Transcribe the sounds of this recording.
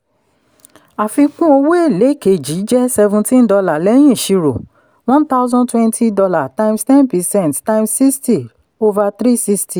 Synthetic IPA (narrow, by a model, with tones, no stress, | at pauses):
a˨fi˧kũ˦o˧we˦e˦˨le˨˦ke˨d͡ʒi˨˦d͡ʒɛ˦sɛ˧vũ˧tĩ˦n˦dɔ˧la˨lɛ˦j̃ĩ˦˨ʃi˧ɾo̰˨ | w̃ɔ̃˦nt̪a˦ʊ˦zɔ̃˦ntwɛ̃˦ntʰi˦dɔ˧la˦˨tã˧ĩmstɛ̃˦npi˧sɛ̃˦˨ntta˧imsi˦sti˨ | o˧va˧t̪ɾi˦si˦sti˨